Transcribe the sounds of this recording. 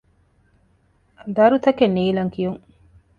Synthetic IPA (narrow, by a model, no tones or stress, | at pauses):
d̪ɐɾut̪ɐkenːiːlɐŋkijuŋ